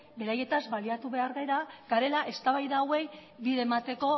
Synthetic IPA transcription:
be̞ɾaje̞t̪azbaliat̪uβe̞aɾɣaeɾaɡ̥aɾe̞laʔe̞st̪aβajðaːwe̞jbiðemat̪e̞ko̞

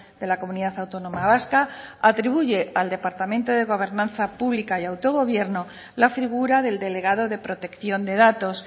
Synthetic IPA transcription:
ðe̞lako̞muniðaθawt̪o̞nõ̞maβ̞askaat̪ɾiβuʝe̞ald̪e̞paɾt̪amẽnt̪oðe̞ɣ̞o̞β̞e̞ɾnãnθapuβlikajawt̪o̞ɣo̞β̞je̞ɾno | lafiɣuɾaðe̞ld̪e̞le̞ɣaðo̞ðe̞pɾo̞t̪e̞kθjo̞nd̪e̞ðat̪o̞s

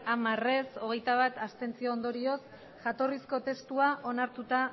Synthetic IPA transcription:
amare̞so̞ɣ̞e̞jt̪aβ̞at̪ast̪e̞nt͡sio̞ːnd̪o̞ɾio̞s | ʝat̪o̞risko̞t̪e̞st̪uaʔo̞naɾt̪ut̪a

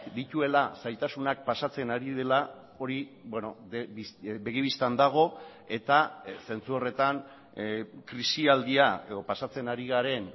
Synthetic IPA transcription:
d̪it̪ue̞lasajt̪asunak̚pasat͡se̞naɾiðe̞la | o̞ɾibwe̞no̞ðeibe̞ɣiβist̪and̪aɣ̞o̞ | e̞t̪ase̞nt͡suo̞re̞t̪an | kɾisiald̪iae̞ðo̞pasat͡se̞naɾiɣaɾe̞n

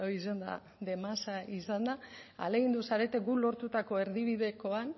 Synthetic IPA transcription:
oisend̪a̰ | ðe̞masaisand̪aa̰le̞ɣind̪usaɾe̞t̪e̞ɡulo̞ɾt̪ut̪ako̞e̞ɾðiβiðe̞ko̞an

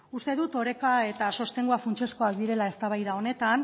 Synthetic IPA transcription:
ust̪e̞ðut̪o̞ɾe̞kae̞t̪aso̞st̪e̞ŋɡuafunt͡ʃesko̞ak̚d̪iɾe̞lae̞st̪aβajðao̞ne̞t̪an

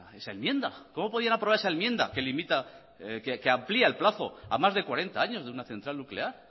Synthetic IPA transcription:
esaelmjẽ̞nd̪a̰ko̞mo̞poðianapɾoaɾesaelmje̞nd̪a̰ke̞limit̪a | kekeampliaelplaθo̞̰a̰mazðe̞kwaɾe̞nt̪aaɲo̞zðeunaθe̞nt̪ɾalnukle̞aɾ

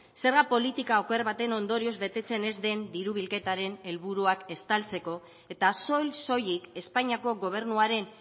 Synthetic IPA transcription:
se̞ɾɣapo̞lit̪ikaokeɾβat̪e̞no̞nd̪o̞ɾio̞zβe̞t̪e̞t͡se̞ne̞zd̪e̞nd̪iɾuβ̞ilke̞t̪aɾe̞ne̞lβuɾuake̞st̪alt͡se̞ko̞ | e̞t̪aso̞jso̞jike̞spaɲiako̞ɣo̞β̞e̞ɾnuaɾe̞n

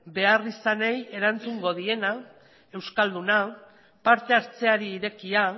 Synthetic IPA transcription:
be̞arisaneje̞ɾant͡suŋɡo̞ð̞ie̞na | e̞wskald̪una | paɾt̪e̞aɾt͡se̞aɾiːɾe̞kia

